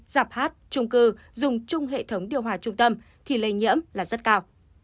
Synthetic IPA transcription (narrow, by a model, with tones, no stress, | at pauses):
z̥aː˨˩p̚haː˦˥t̚t͡ɕʊ˧ŋ͡mkɨ˧ | zʊ˨˩ŋ͡mt͡ɕʊ˧ŋ͡mɦḛ˧˨t̪ʰə˨˦wŋ͡mɗi˨˧˨əwɦwaː˧˩t͡ɕʊ˧ŋ͡mt̪ə˧m | t̪ʰi˨˩lə˧˩jɲḭ˧˥əmlaː˨˩zə˦˥t̚kaː˧w